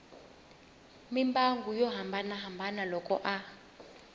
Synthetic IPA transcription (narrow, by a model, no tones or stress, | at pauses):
mimbaŋɡʱujɔɦambʱanaɦambʱanalɔkʼɔ̰ʔa